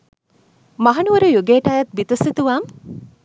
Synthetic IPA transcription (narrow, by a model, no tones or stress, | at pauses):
mɐɦɐnuʋɐɾujuɡeːʈaːjɐt̪̚bit̪usit̪uʋaːm